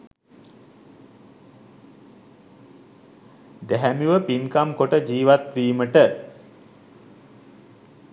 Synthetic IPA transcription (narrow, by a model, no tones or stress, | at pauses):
d̪æɦæmiʋəpinkamkoʈəd͡ʒiːʋat̪ʋiːməʈə